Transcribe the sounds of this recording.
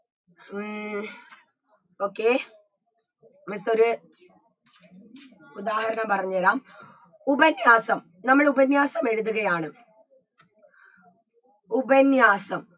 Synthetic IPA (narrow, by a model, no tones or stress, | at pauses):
o̞ːkːeː | mɐso̞ɾu | ud̪aːhɐɾɐɳɐmpɐrɐɲːuʋɐlaːm | ubɐnjaːsɐm | nɐmːɐɭubɐnjaːsɐme̞ɻuðuɣɐjaːɳɨ | ubɐnjaːsɐm